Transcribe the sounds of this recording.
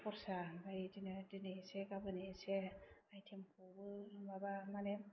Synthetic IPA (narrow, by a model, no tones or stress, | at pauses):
pɔɾsabajdindinisekabɯniseajtʰemkʰubɯmabamanem